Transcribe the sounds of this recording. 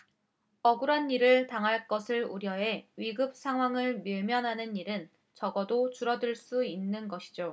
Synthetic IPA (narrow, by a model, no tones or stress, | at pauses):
ʌɡɯɾanːiɾɯɭtaŋɦaɭk͈ʌsʰɯɭuɾjʌe̞ɥiɡɯp̚sʰaŋɦwaŋɯɭmiɭmjʌnɦanɯniɾɯn | t͡ɕʌɡʌdot͡ɕuɾʌdɯɭs͈uinːɯnɡʌɕʰi̥d͡ʑo